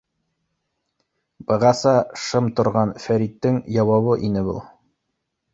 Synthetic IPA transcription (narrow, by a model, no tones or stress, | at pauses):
b̥ɤ̆ʁɑsɑʃɤmt̪ŏɾʁɑnfæɾit̪ːɘŋjɑwɑβɤʔinɘbṵlˠ